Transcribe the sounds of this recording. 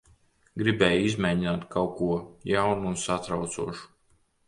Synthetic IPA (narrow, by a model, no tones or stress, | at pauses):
ɡɾibɛːjizmajɲinaːt̪kʰawkuɔjawnuːnsat̪ɾawt̪suɔʃu̥